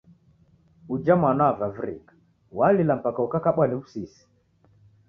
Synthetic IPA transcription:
ud͡ʒamanaavavɾḭkḁ | walilam̩pakaukakaɓwaniβusisi̥

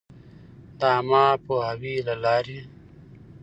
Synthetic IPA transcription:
d̪amaːpoɦawilalaːɾe

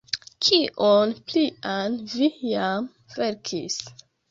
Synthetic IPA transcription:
kʰiʔonplianvijam | veɾkʰis

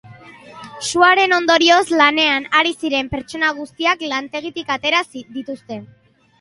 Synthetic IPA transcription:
suaɾe̞no̞nd̪o̞ɾio̞zlane̞anaɾisiɾe̞mpe̞ɾt͡ʃo̞naɣ̞ust̪iaklant̪e̞ɣ̞it̪ikat̪e̞ɾasiðit̪ust̪e̞

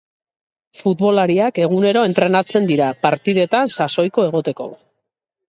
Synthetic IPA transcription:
fut̪βo̞laɾiake̞ɣ̞une̞ɾo̞e̞nt̪ɾe̞nat͡se̞nd̪iɾapaɾt̪iðe̞t̪ansaso̞jko̞e̞ɣ̞o̞t̪e̞ko̞̰

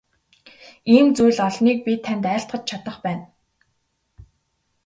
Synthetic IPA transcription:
iːmt͡sujɮɔɮniːk̚pʲit̪ʰːænt̪æːɬt̪ɢə̆t͡ɕ̚t͡ɕʰat̪ə̆χpæːn

